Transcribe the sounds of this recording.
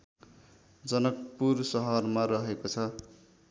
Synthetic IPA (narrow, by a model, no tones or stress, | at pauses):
d͡zʌnʌk̚pursʌɦʌrmaɾʌɦekot͡sʰʌ